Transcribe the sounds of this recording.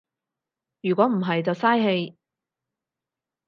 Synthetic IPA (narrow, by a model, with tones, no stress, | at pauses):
jyː˨˩kʷɔː˨˥m̩˨˩ɦɐ˨jt͡sɐ˨wsaː˥jɦe˧j